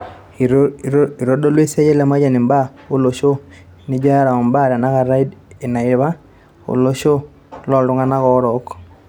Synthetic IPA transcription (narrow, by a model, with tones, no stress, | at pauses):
i˨ɾo˦do˦lwe˦sɛ˦d͡ʒɛ˦lɛ˨˦ma˦d͡ʒa˨ni˨mba˦o˦lo˨ʃo˦ | ni˦d͡ʒa˦ɾa˨ɔ˨mba˦˨ɾa˨na˦ka˨ɾa˦i˦de˨na˨ɪ˨βa˦ | o̰˨lo˦ʃo˦ | lɔ˨ldu˨˦ŋa˦na˦kɔ˦ɾɔ˨˦k